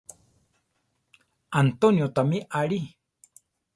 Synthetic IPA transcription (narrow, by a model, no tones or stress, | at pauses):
ant̪onjot̪amiʔaɭi